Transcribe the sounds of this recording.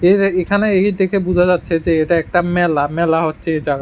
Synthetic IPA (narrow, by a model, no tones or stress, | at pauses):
eekʰaneejd̪ekʰebud͡ʑʱad͡ʑatːɕʰed͡ʑeeʈaɛk̚ʈamɛlamɛlaɦotːɕʰeed͡ʑaɡa